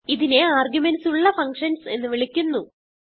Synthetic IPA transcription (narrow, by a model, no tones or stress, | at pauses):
iðine̞aːrɡjumensuɭːɐfɐŋkʂɐnse̞̰nːɨʋiɭikʲːunːu